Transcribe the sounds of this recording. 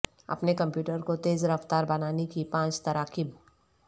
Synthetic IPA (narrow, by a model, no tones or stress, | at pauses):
ɐ̰pnekɐ̃mpjuːʈəɾkot̪eːzɾɐft̪aːɾbɐnaːnekipãːt͡ʃt̪ɐɾaːkɪb